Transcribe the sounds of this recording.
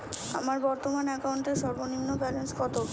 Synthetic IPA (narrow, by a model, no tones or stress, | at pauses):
a̰maɾbɔɾt̪omanɛkauɳʈeɾʃɔɾboninːopɛlenskɔt̪o